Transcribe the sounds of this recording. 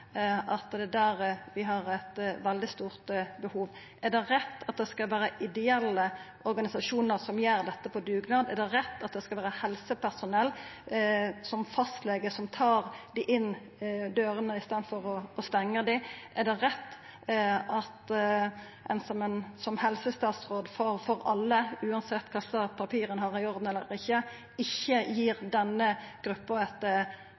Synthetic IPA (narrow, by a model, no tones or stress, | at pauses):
ʔɑt̪d̪ɛd̪æːɾʋɪɦɑɾæt̪ʋɛld̪ɪst̪uːʁt̪bəhuːʋ | ʔɛd̪ɛɾɛt̪ːɑt̪̚d̪ɛskɑlʋæːɾəʔɪd̪ɛɛlːə | ɔɾɡɑnɪsɑʂuːnəɾsɔmjæːɾd̪ɛt̪ːəpʰɔd̪ʉːɡnɑːd̪ɛd̪ɛɾɛt̪ːɑt̪̚d̪ɛskɑlʋæːɾəhɛlsəpʰæʁsʊnɛlː | sɔmfɑst̪leːɡəsɔmt̪ʰɑːʁd̪ɪʔɪnː | d̪øːɾənəɪst̪ɑːnd̪fɔɾɔːst̪ɛŋːəʁd̪ɪʔæd̪ɛʁɛt̪ː | ʔɑt̪ | ʔɛnsɔmənsɔmhɛlsəst̪ɑːt̪sʁoːd̪fɔɾfɔɾɑlːəʉːɑnsɛt̪ːkʰɑsəpʰɑpʰiːɾənhɑːʁɪɔɾd̪n̩ɛlːəɾɪçːə | ɪçːəjiːʁd̪ɛnːəɡ̥ɾʉpːɑɛt̪ə